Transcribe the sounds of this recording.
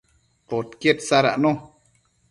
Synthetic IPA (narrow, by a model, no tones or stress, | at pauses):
pot̪kjet̪saɾa̰ʔno